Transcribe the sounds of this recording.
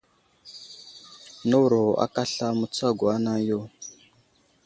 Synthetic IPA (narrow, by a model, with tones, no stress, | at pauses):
no˦wɾo˨a̰˦ka˦ɬa˦mu˨t͡sa˦ɡo˨a˦na˦jo˦˨